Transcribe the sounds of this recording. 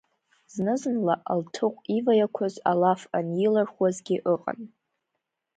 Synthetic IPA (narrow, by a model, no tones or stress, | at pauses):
z̥nɨzɨnlaʔaltʰɨqʷʼivajakʷʰazalafanjɪlarχwazɡʲɪʔəqʼa̰n